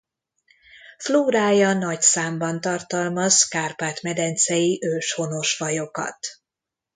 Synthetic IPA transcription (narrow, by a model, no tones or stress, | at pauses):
fluːɾaːjɒnɒcsaːmbɒnt̪ɒrt̪ɒlmɒzkaːrpaːt̪mɛd̪ɛnt̪sɛjiʔøːʃho̞no̞ʃfɒjo̞kɒ̰t̪